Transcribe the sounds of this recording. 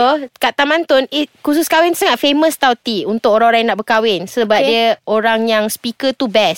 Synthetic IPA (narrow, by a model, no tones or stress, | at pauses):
okaʔt̪amãnt̪ʊnikususkawɪnsaŋat̪̚femə̃st̪awt̪iunt̪ʊk̚oɾãŋoɾaŋjanaʔ̚bəkawɪnsəbap̚diəoɾaŋjaŋspikət̪ubɛs